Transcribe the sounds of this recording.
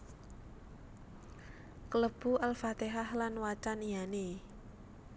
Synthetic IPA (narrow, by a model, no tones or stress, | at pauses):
kələb̥uʔalfat̪eɦahlanwat͡ʃanijane